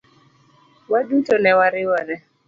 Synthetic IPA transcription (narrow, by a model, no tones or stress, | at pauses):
wadutɔnɛwaɾɪwaɾɛ